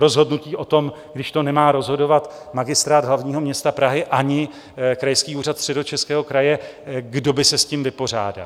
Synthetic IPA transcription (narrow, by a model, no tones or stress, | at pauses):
ɾo̞zɦo̞dnuciːʔo̞t̪o̞m | ɡdɪʃt̪o̞nɛmaːɾo̞zɦo̞do̞vat̪ | maɡɪst̪ɾaːd̪ɦlavɲiːɦo̞mɲɛst̪apɾaɦɪʔaɲɪ | kɾajskiːuːrat̪st̪r̝̥ɛdo̞t͡ʃɛskɛːɦo̞kɾajɛɡdo̞bɪsɛsciːmvɪpo̞r̝a̰ːda̰l